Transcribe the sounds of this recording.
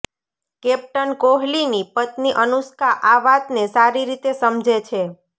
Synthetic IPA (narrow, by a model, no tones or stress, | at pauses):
kɛp̚ʈənkoɦlinipət̪niʔənuskaʔaʋat̪nesaɾiɾit̪esəmd͡ʒʱet͡ʃʰe